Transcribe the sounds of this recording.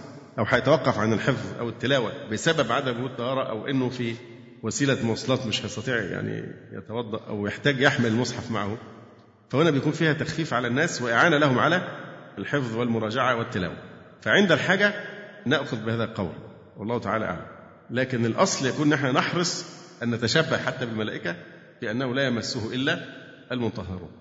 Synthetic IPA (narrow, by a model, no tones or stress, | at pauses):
ʔæwħajɑt̪æwɑqːɑfʕanelħefðˤʔæ̰wet̪ːelæːwæbesæbːæbʕad̪æbɡhuːt̪ˤːɑhɑːɾˤɑʔæwʔenːofi | wæsiːlæmɑsˤɑlɑːt̪mɪʃhæɑjst̪ɑt̪ˤiːʕja̰ʕnḭ | jḛt̪æwɑd̪ˤːɑʔʔæ̰wjeħt̪æːɡjeħmɪllmosˤħɑfma̰ʕahom | fæhonæbejkuːnfiːhæt̪æxfiːfʕalænːæːsweʔaʕaːnælæhomʕa̰lælħefðˤwɪlmʊɾˤɑːd͡ʒaʕawɪt̪ːælæ̰ːwæ̰mfæʕend̪ælħaːɡæ | næʔxʊðbɪhæːðælqɑwɾ | wɑlˤːɑːht̪aʕaːlæ̰ʔa̰ʕlæ̰m | læːkenelʔɑsˤljækuːnnʔeħnænɑħɾɨsˤ | ʔænːæt̪æʃæbːahħat̪ːæbɪlmælæːʔɪkæ | fiʔænːæhʊlæːjæmæsːuhʔelːæ | ʔælmʊnt̪ɑɦɑɾṵːn